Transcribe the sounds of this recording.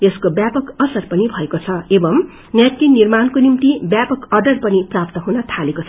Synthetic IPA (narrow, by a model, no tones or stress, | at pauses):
eskobjapʌkʌsʌrpʌnibʱʌekot͡sʰʌebʌm | njaʈːinirmankonimt̪ibjapʌkʌrɖʌrpʌniprap̚t̪ʌɦunʌt̪ʰalekot͡sʰʌ